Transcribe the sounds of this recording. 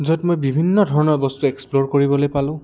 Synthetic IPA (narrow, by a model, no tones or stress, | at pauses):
zɔtmojbibʱinːɔdʱɔɹɔnɔɹbɔstuɛksploɹkoɹibɔlojpalʊ̃